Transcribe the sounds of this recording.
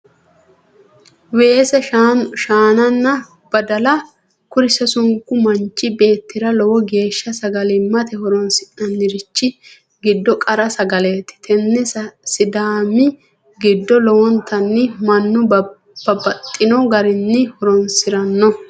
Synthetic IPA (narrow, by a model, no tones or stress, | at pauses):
weːsɛaʃaːnɐnːɐ | b̥ɐd̪ɐlɐ | kʊɾɪsɛsʊŋkːʊmɐnt͡ʃʼːɪbe̞ːt̪ːɪɾɐlɔwɔɡe̞ːʃːɐsɐɡɐlɪmːɐt̪ɛhɔɾɔnsɪʔɐnːɪɾɪt͡ʃːɪ | ɡɪd̪ːɔkʼɐɾɐsɐɡɐlet̪ːɪ̥t̪ʰɛnːɛsɪd̪aːmɪ | ɡɪd̪ːɔlɔwɔnt̪ʰɐnːɪmɐnːʊ | b̥ɐbɐt̪ʼːɪnɔɡɐɾɪnːɪhɔɾɔnsɪɾɐnːɔ